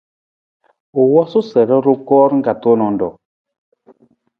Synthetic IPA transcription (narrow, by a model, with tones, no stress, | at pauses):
o˨wɔ˦su˦sɛ˨ɾɛ˦ɾo˦kɔː˦ɾŋ̩˦ɡa˨to˦nɔ˨ndɔ˨